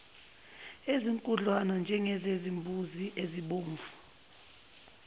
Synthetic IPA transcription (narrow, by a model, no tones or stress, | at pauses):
eziŋkʼuɮwanand͡ʒʱɛŋɛzezimbʱuziʔeziɓoːɱvu